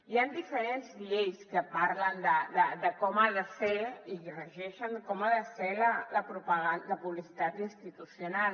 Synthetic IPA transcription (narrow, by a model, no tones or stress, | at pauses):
iand̪ifəɾenzʎejskəpaɾlənd̪əd̪əd̪əkɔmaðəseiɣrəʒɛʃənkɔmaðəselələpɾupəɣanləpuβlisit̪at̪inst̪it̪usjunal